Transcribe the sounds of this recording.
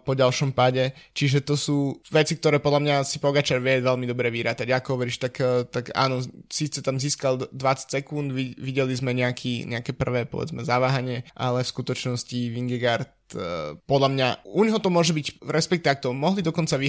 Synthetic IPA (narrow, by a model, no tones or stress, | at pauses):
pɔɟalʃɔmpaɟɛt͡ʃiʒɛt̪ɔsuːʋɛt͡sikt̪ɔɾɛːpɔd̪lamɲasipɔɡat͡ʃaɾʋɪɛʋɛlmid̪ɔbɾɛʋiɾaːt̪aɟaːkɔɔʋɛɾiːʃt̪akt̪aka̰ːnɔsit͡sɛt̪amziːskald̪ʋat͡sḁcʲsɛkund̪ʋiʋiɟɛlizmɛɲɛakʰiɲʔɛakɛːpr̩ʋɛːpɔ̰ʋɛ̰d͡zmɛzaʋaːɦaɲɪɛʔa̰lɛfskut̪ɔt͡ʃnɔsciʋiŋɡɛɡaɾt̪pɔd̪lamɲauɲɦɔt̪ɔmʊɔʒɛbicɾɛspɛkt̪iak̚t̪ɔmɔɦlid̪ɔkɔnt͡saʋi